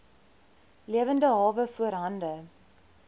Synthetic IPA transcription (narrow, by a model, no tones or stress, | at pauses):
liəvəndəɦɑːvəfuəɾɦɐndə